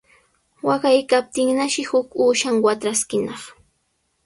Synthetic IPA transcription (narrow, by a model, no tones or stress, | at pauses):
wɑɢajkap̚t̪ɪŋnaʃɪhʊkuːʃaŋwat̪ɾaskɪnɑχ